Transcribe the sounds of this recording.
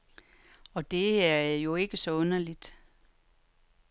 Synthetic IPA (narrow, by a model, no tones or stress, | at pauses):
ɒ̽d̥e̝æɐjo̝e̝ɡ̥əsɒ̽ɔ̽nɐlid̥